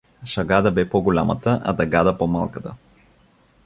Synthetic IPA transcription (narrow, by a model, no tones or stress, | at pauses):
ʃɐɡad̪əbɛpɔɡʊlʲamə̰t̪əʔɐ̰d̪ɐɡad̪əpɔmalˠkət̪ə